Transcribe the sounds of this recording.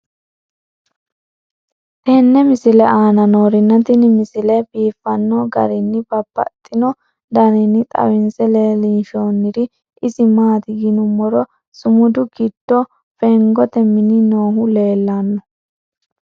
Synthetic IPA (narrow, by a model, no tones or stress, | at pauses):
t̪ɛnːɛmɪsɪlɛaːnɐnoːɾɪnːɐt̪ɪnɪmɪsɪlɛfiːfːɐnːɔɡɐ̰ɾɪnːɪbɐbːɐ̰t̪ʼːɪnɔ | d̪ɐɾɪnːɪt̪ʼɐ̰wɪnsɛleːliːnʃoːnːɪɾɪ | ɪsɪmaːt̪ɪɡɪnʊmːɔɾɔ | sʊmʊd̪ʊɡɪd̪̥ːɔ | fɛŋɡɔt̪ɛmɪnɪnoːɦʊle̞ːlːanːɔ